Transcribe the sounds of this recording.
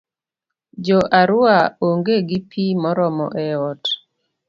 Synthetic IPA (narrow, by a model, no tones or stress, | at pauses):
d͡ʒɔʔaɾʊaoŋɡeɡipʰimɔɾɔmɔ̰ʔɛɔt